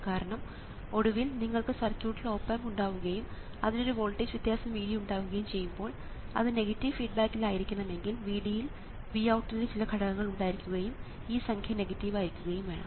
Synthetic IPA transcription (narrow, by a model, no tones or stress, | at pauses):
kaːɾɐɳɐm | o̞ɽuʋilniŋːɐɭkɨsɐrkʲjuːʈːilo̞ːpːamuɳɖaːʋuɣɐjum | ɐðino̞ɾuʋoːɭʈːid͡ʑʋit̪jaːsɐmʋiːɽiuɳɖaːʋuɣɐjumt͡ɕe̞jːumbo̞ːɭ | ɐ̰ðɨne̞ɣɐtːiʋfiːɖ̚baːkːilaːjiɾikʲːunːɐme̞ŋɡilʋiːɽijil | ʋiɐwʈːilet͡ɕilɐkʰɐɽɐɣɐŋːɐɭuɳɖaːjiɾikʲːuɣɐjum | iːsɐŋkʰjɐne̞ɣɐtːiʋaːjiɾikʲːuɣɐjumʋe̞ːɳɐ̰